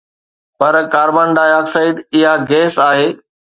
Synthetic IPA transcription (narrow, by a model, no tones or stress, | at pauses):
pɐɾkaːɾbənɖaːjaːksaːɪɖɪɦaɡeːsaːɦeː